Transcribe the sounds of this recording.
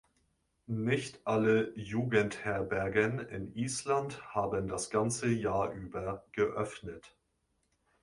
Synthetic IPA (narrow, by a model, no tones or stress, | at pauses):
nɪçtʔaləjuːɡənthɛɐbɛɐɡənɪ̰nʔiːslanthaːbəndasɡ̥ant͡səjaːɐʔyːbɐɡ̥əʔœfnət